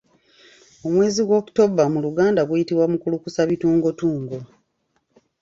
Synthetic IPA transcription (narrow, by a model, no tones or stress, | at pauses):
omwe̞ːziɡwo̞ːku̥to̞bamuluɡaːndaɡwujitiβwamukulukusaβituːŋɡo̞tuːŋɡo